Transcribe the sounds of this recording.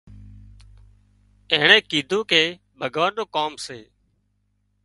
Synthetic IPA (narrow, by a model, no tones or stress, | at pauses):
eːɳẽːkiːd̪ʱũːkʰeː | bʱəɡʋaːnɗoːkaːmseː